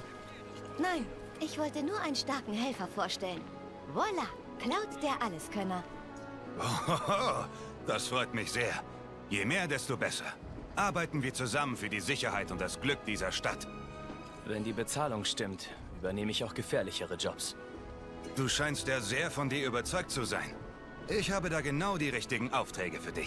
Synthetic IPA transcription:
naɪn | ʔɪçv̥ɔltənuːɐʔaɪnənʃtaɐkŋ̩ɦɛlfɐfoːɐʃtɛlən | vɔla | kl̥aʊtd̥eːɐʔaləskʰœnɐ | ʔoo | d̥asfʁ̥ɔʏtmɪçz̥eːɐ | jeːmeːɐdɛstoːbɛsɐ | ʔaɐbaɪtn̩viːɐt͡suzamənfyːɐdiːzɪçɐhaɪtʊnt̚d̥asɡ̥lʏk̚d̥iːzɐʃtat | vɛndiːbət͡saːlʊŋʃtɪmt | ʔyːbɐneːməɪçaʊxɡ̥əfɛːɐlɪçəʁəd͡ʒɔps | d̥uːʃaɪnstjaːzeːɐfɔndiːɐʔyːbɐt͡sɔʏk̚t͡suza̰ɪn | ʔɪçhaːbədaːɡənaʊdiːʁɪçtɪɡŋ̩ʔaʊftʁ̥ɛːɡəfyːɐdɪç

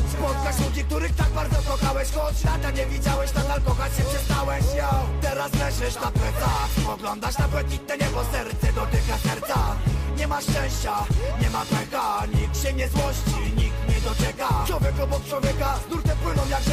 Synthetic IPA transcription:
spɔt̪̚kat͡ɕlud͡ʑik̚t̪uɾɘxt̪aɡ̚baɾd̪zɔkɔxawɛɕkɔnat̪aɲɛvʲid͡ʑawɛɕt̪ad̪alkɔxat͡ɕɕɛpʂɛst̪awɛɕjat̪ɛɾaslɛʂɛʂt̪apwɛt̪aɔɡlɔnd̪aʂt̪apwɛt̪̚ɲʲit̪nɛɲɛpɔsɛɾt̪sɛd̪ɔt̪ɪkasɛɾt̪saɲɛmaʂt͡ʂɛ̃w̃ɕt͡ɕaɲɛmapɛkaɲikɕɛɲɛzwɔɕt͡ɕiɲik̚t̪mɲɛd̪ɔt͡ʂɛkat͡ʃwɔvʲjɛkɔbɔk̚t͡ʂwɔvʲjɛkazd̪uɾt̪ɛpwɪnɔ̃w̃jak

